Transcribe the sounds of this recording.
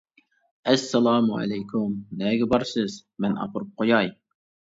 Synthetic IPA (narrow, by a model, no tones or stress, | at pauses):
ɛsːɛlˠɑːmua̰lɛjkʰʊmnɛɡʲɛbɑɾsɨzmɛnʔɑ̰pʰʊɾup̚qʰojɑj